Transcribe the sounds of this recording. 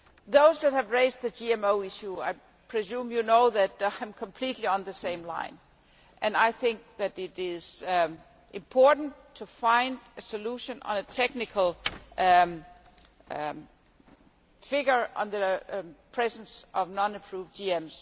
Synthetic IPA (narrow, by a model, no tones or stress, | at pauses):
ðoʊzðæt̚hɨvɹeɪzd̚ðɨd͡ʒiɛ̃moʊɪʃua̰ɪ | pʰɹ̥ɨzũmjɨnoʊðɨtaɪ̃mkʰəmpʰl̥itʰˡliə̃nðɨsẽɪ̃mlã̰ɪ̃n | ʔɨ̃naɪθɪ̃ŋk̚ðɨɾɪɾɪz̥ | ʔɪ̃mpʰɔɹʔn̩tʰufãɪ̃ndɨsɨluʃɨ̃nə̰̃nɨtʰɛk̚nɨkʰəl̩ˠ | fɪɡə˞ə̰̃nðɨpʰɹ̥ɛzn̩sʔʌvnɑ̃nɨpʰɹ̥uvdd͡ʒiɛ̃mz̥